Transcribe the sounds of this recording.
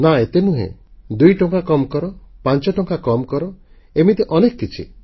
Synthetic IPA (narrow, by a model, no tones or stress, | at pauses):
naet̪enuɦḛ̃d̪ujʈɔŋkakɔmkɔɾɔpant͡ʃɔʈɔŋkakɔmɔkɔɾɔ | emit̪eʔɔnekɔkit͡ʃʰḭ